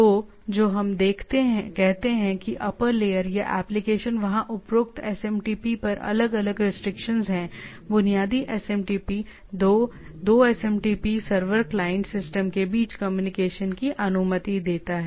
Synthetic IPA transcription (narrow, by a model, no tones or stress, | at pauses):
oː | d͡ʒoːɦɐmd̪eːkʰt̪eɦɛ̃kɛɦt̪eɦɛ̃kiʔɐpəɾleːəɾjaʔɛ̰ːplɪkeːʃənʋɐɦãʔʊpɾʊk̚t̪ɛsɛmʈiːpipɐɾɐ̰ləɡɐləɡɾɪsʈɾɪkʃənzɦɛ̃ | bʊnijaːd̪iʔɛsɛmʈiːpi | od̪oːɛsɛ̃mʈiːpisɐɾʋəɾklaːɪə̃ɳʈsɪsʈəmkebiːt͡ʃkɐmjuːnɪkeːʃənkiʔɐnʊmət̪id̪eːt̪aɦɛ